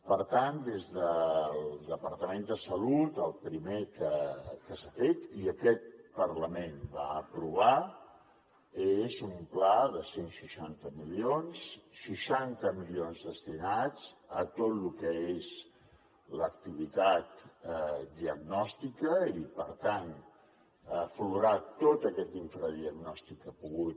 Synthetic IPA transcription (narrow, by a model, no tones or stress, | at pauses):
pəɾt̪and̪ezðəlˠd̪əpəɾt̪əmend̪əsəlut̪əlˠpɾimekəkəsafet̪iəkɛt̪̚pəɾləmenba̰əpɾuβ̞a | ezumplaðəsenʃiʃant̪əmilionsːiʃant̪əmilionzðəst̪inad͡zət̪ot̪lukəez | ləkt̪iβ̞it̪at̪ | d̪iəɡnɔst̪ikəipəɾt̪an | əfluɾat̪ot̪əkɛt̪iɱfɾəðiəɡnɔst̪ikːəpuɣut̪